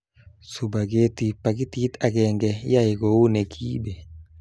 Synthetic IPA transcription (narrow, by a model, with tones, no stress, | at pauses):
su˨ba˨ɡe˦t̪i˨pa˨ki˦t̪i˦t̪a˨kɛ˨ŋɡɛ˨ja˦e˨ɡo˨˦u˦ne˨kʰi˦be˨